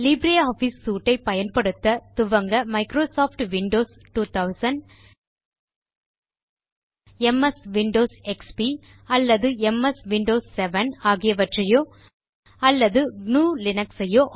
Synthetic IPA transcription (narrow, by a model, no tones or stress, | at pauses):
lɪbɾeaːfisːuːʈːɐɪpːɐjɐnpɐɽɯt̪ːɐt̪ʊʋɐŋɡɐmɐɪkɾoːsaːfʈʋɪɳɖoːs | ʈuːt̪ɐʊsɐnɖ | ɛmɛsʋɪɳɖoːsɛkspi | ɐlːɐðɯɛmɛsʋɪɳɖoːsːɛʋɐnaːɣɪjɐʋɐʈrɐjoː | ɐlːɐðɯɡnuːlɪnɐksɐjoːʔ